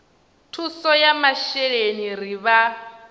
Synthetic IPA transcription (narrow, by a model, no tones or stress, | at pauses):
tʰusɔjamaʃɛɺeniɾiβa